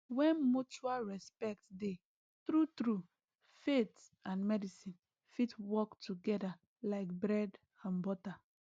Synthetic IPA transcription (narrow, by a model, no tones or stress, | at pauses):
wɛ̃nmot͡ʃualɹɛspɛk̚tde | tɾutɾu | fet | ãnmɛdisĩn | fitwɔktʰuɡɛda | laɪk̚bɹɛd | ãnbɔta